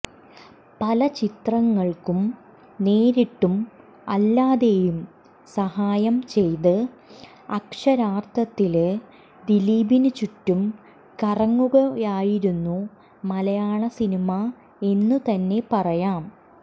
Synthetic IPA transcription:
pɐlɐt͡ɕit̪rɐŋːɐɭkum | ne̞ːɾiʈːum | ɐ̰lːaːðe̞jum | sɐhaːjɐmt͡ɕe̞jt̪ɨ | ɐkʂɐɾaːrt̪ʰɐt̪ːil | d̪iliːbinɨt͡ɕutːum | kɐrɐŋːuɣɐaːjiɾunːu | mɐlɐjaːɳɐsinima | e̞nːut̪ɐnːe̞pɐrɐjaːm

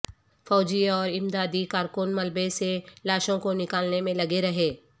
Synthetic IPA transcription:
fɔːd͡ʒiɔːɾɪmd̪aːd̪ikaːɾkʊnmɐlbeselaːʃõkonɪkaːlnemẽlɐɡeɾɐɦeː

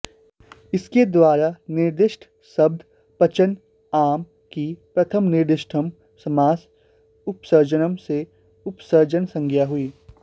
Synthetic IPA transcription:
ɪsked̪waːɾanɪɾd̪ɪʃʈʰ | sɐb̚d̪ʱ | pɐt͡ʃən | aːm | kipɾɐt̪ʰəmnɪɾd̪ɪʃʈʰəm | sɐmaːs | ʊpsəɾd͡ʒənəmse | ʊpsəɾd͡ʒənsɐ̃ŋɡʱjaɦʊiː

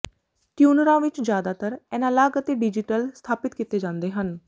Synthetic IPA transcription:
ʈjuːnəɾãːʋɪt͡ʃd͡ʒjaːd̪aːt̪əɾɛːnãːlaːɡət̪eɖɪd͡ʒɪʈəlst̪ʰaːpɪt̪kit̪eːd͡ʒãːnd̪eːɦən

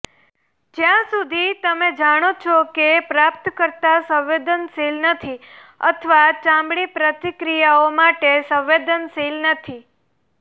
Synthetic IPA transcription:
d͡ʒjãsud̪ʱit̪əmed͡ʒaɽ̃ot͡ʃʰɔkepɾapt̪kəɾt̪asə̃wʋed̪ənsilnət̪ʰiə̰t̪ʰəʋat͡ʃãmbɽipɾət̪ikɾijaomaʈesə̃wʋed̪ənsilnət̪ʰi

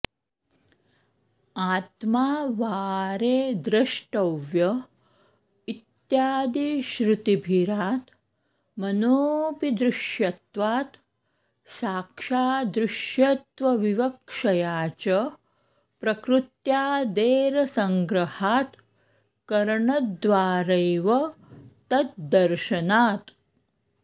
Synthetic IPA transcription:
aːt̪maːʋaːɾeːd̪ɾɐʃʈɐʋjɐ | it̪jaːd̪iʃɾut̪ibʱiɾaːt̪ | mɐnoːpid̪ɾɪʃjɐt̪ʋaːt̪ | saːkʂaːd̪ɾɪʃjɐt̪ʋɐʋiʋɐkʂɐjaːt͡ʃɐ | pɾɐkɾut̪jaːd̪eːɾɐsɐŋɡɾɐhaːt̪ | kɐɾɐɳɐd̪ʋaːɾɐjʋɐt̪ɐt̪̚d̪ɐɾʃɐnaːt̪

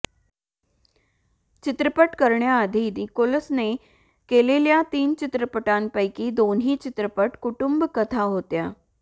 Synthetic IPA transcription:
t͡ʃɪt̪ɾəpəʈkəɾɳjaəd̪ʱid̪ikoləsne | keːleljat̪iːnt͡ʃɪt̪ɾəpəʈaːnpəikid̪oːnɦit͡ʃɪt̪ɾəpəʈkʊʈʊmbkət̪ʰaɦoːt̪jaː

